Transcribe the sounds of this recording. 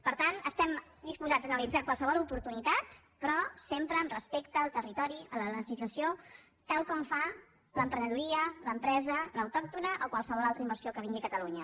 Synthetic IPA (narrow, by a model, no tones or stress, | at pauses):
pəɾt̪anəst̪ɛmd̪ispuzad͡zd̪ənəlid͡zakwalˠsəβɔlˠupuɾt̪unit̪at̪ | pɾɔsempɾəːmrəspekt̪əːlˠt̪ərit̪ɔɾiələləʒizləsio | t̪alˠkɔɱfa | ləmpɾənəðuɾiələmpɾɛzələwt̪ɔk̚t̪unəʔokwalˠsəβɔlalˠt̪ɾəimbəɾsiokəβiŋɡiəkət̪əluɲə